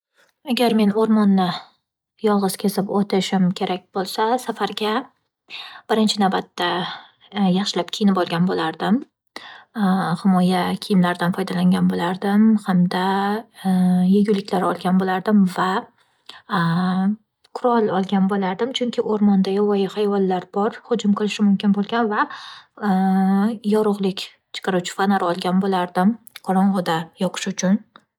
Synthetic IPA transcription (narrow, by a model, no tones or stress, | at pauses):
aɡʲaɾme̞noɾmɒnːɪ | jɒlˠʁɨz̥kʲʰezɪpot̪ʰɪʃɪmkʲʰe̞ɾʔak̚ʲb̥olˠsasafaɾɡʲa | b̥ɪɾɪnt͡ʃʰɪnawbat̪ːa | jɑχʃɪlap̚kʲʰijɪnɪbɒlˠɡʲanbolaɾd̪ɪm | hɪmɒjakʲʰɪjɪmlaɾd̪anfɒjd̪alaŋɡʲanbolaɾd̪ɪmhamd̪a | jeɡʲʊlːɪkʲlaɾɒlˠɡʲanbolaɾd̪ɪmva | kʰʊɾɒlˠɒlˠɡʲanbolaɾd̪ɪmt͡ʃʰʊŋkʲʰɪʔoɾmɒnd̪ajɒwɒjɪhajvɒnlːaɾbɒɾhʊd͡ʒʊmqʰɨlˠɪʃɪmʊmkʲɪnbolˠɡʲanva | jɒɾʊʁlˠɪkʲ | t͡ʃʰɨ̥qʰɑɾut͡ʃʰɪ̥fanaɾɒlˠɡʲanbolaɾd̪ɪm | qʰɒɾɒɴʁʊd̪ajɒqʰɨ̥ʃʊt͡ʃʰʊn